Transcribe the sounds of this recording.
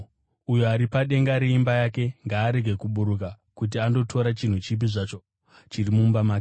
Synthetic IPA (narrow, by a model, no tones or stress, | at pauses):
ujoaɾipaɗe̞ŋɡaɾeimbajake̞ŋɡaːɾe̞ɡʱe̞kuɓuɾuk̬a | kut̬iando̞tʰo̞ɾat͡ʃin̤ut͡ʃip̬iʐat͡ʃo̞ | t͡ʃirimumbamaːk